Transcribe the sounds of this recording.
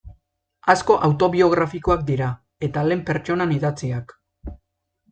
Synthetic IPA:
asko̞ʔawt̪o̞βio̞ɣ̞ɾafiko̞ak̚d̪iɾa | e̞t̪ale̞mpe̞ɾt͡ʃo̞naniðat͡siak

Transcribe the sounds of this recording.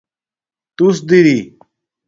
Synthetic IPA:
t̪usd̪iɾi

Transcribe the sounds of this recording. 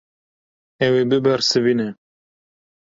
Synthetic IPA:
ɛwebɨbɛɾsɨviːnɛ

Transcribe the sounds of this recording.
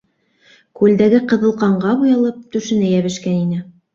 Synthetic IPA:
kʉld̪æɡɘqɤ̆ðɤ̆lˠqɑɴɢɑbujɑlˠɤp̚t̪ɵ̆ʃɘ̆nɘjæβɘ̆ʃkæninɘ

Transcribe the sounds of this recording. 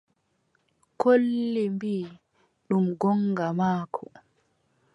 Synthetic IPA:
kʰolːimbiː | ɗumɡɔŋɡamaːkʰɔ̰

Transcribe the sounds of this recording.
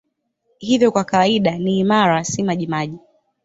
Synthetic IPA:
hivjɔkwakawaiɗaniːmaɾasimaʄimaʄi

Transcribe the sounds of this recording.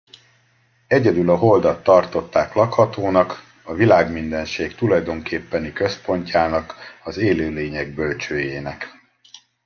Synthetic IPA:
ɛɟɛd̪ylɒɦo̞ld̪ɒt̪ːɒrt̪o̞t̪ːaːklɒkhɒt̪oːnɒk | ɒvilaːɡmind̪ɛnʃeːkt̪ulɒjd̪o̞ŋkʰeːpːɛnikø̞spo̞ɲcaːnɒkɒzeːløːleːɲɛɡ̚bølt͡ʃøːjeːnɛk

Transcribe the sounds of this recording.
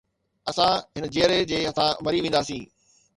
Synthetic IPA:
ɐsãɦɪnəd͡ʑeːəɾed͡ʑeːɦɐt̪ʰãʋɐɾiʋẽːnd̪aːsĩː

